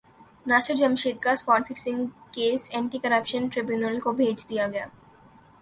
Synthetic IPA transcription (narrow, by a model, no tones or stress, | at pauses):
nasəɾd͡ʑəmʃit̪̚ɡaspɔʈfiksiŋkesɛɳʈikɐɾapʃənʈɾibjunəlkobʱed͡ʑd̪ijaɡɛa